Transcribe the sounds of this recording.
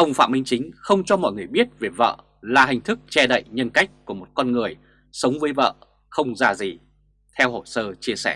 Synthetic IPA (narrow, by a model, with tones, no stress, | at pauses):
ʔə˧wŋ͡mfa̰˧˨mï˧ŋ̟t͡ɕï˨˦ŋ̟xə˧wŋ͡mt͡ɕɔ˧mɔ̰˧˨jŋɨ˨˩əjɓi˦˥ət̚ve˨˩və̰ː˧˨ | laː˨˩ɦi˨˩ŋ̟t̪ʰɨ˦˥k̚t͡ɕɛ˧ɗə̰˧˨jɲə˧nka˦˥jk̟̚ku˧˩əmo˨˩t̚kɔ˧nŋɨ˨˩əj | sə˨˦wŋ͡mvəː˨˦jvə̰ː˧˨ | xə˧wŋ͡mzaː˧˩zi˨˩ | t̪ʰɛ˧who˧˩səː˧t͡ɕi˧əsɛ˧˩